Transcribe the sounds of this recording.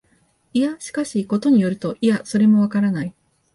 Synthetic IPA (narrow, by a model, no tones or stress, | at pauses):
iaɕi̥kaɕiko̞t̪o̞ɲ̟ijo̞ɾɯ̟t̪o̞ʔiaso̞ɾe̞mo̞β̞akaɾanai